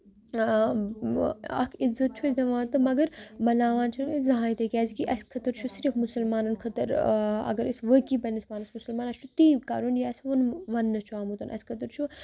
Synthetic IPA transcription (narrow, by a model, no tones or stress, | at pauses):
ɐ̰kʰizːɐt̪̚t͡ʃʰuɐsʲd̪ɐʋaːnt̪ɨmɐɡɐɾmɐlaːʋaːnt͡ʃʰunizɐɦaːit̪ekʲaːzikiʔɐskʰɐt̪əɾt͡ʃʰusiɾəfmusɐlmaːnɐnkʰɐt̪əɾɐ̰ɡəɾisʋəkibɐnɐsmaːnɐsmusəlmaːnɐsʲt͡ʃʰut̪ika̰ːɾunjaːsʋɐnʋɐnːɐt͡ʃʰuaːmut̪ɐnʔɐ̰skʰɐt̪əɾt͡ʃʰu